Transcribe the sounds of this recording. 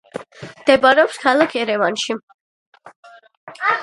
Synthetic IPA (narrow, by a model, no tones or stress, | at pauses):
md̪̥ɛbaɾɛɔpskʰalˠakʰɛɾɛvanʃi